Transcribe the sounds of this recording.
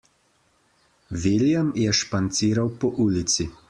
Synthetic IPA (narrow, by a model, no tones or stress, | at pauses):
ʋiljamjɛʃpant̪siːɾawpɔʔuːlit̪si